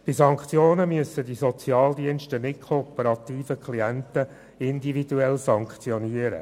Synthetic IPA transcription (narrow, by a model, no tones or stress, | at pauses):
b̥ɪsɑŋkχt͡sjoːnəmyəsədisɔt͡sjɑːld̪iənʃtənɪt̚kʰopəɾɑt̪iːfəkʰχliænt̪ə | ɪnd̪ividuɛlsɑŋkt͡sjɔniəɾə̰